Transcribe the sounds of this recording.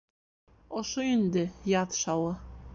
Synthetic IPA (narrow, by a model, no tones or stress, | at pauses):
oʃoind̪ɘ̆jɑt̪ʃɑwɤ̆